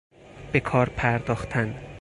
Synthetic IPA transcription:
bekʰɒːɾpʰæɾd̪ɒːxt̪ʰæn

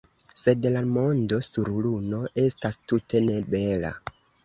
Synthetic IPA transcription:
se̞dlamo̞ndo̞suɾluno̞ʔe̞stastutʰe̞ne̞be̞la̰

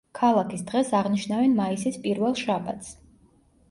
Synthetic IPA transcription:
kʰalˠakʰisd̪ʁɛsaʁniʃnavɛnmaisispʼiɾvɛlˠʃaba̰t̪ʰs

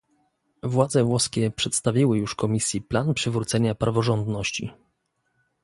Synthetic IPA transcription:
vwad̪zɛvwɔskʲɛpʂɛt̪st̪avʲiwɘjuʂkɔmʲisʲjiplanpʂɘvɾut̪sɛɲapɾavɔʐɔnd̪nɔɕt͡ɕḭ

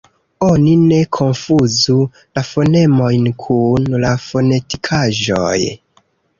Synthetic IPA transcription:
o̞nine̞kʰo̞nfuzu | lafo̞ne̞mo̞jnkʰunlafo̞ne̞tikʰaʒo̰j

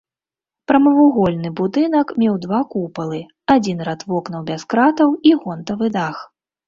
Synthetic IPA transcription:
pɾɐmɐvuɣɔlʲnɨbud̪ɨnɐkmʲɛwd̪vakupɐlˠɨ | ad͡zʲinrat̪vɔknɐwbʲaskɾat̪ɐwiɣɔnt̪ɐvɨd̪ax

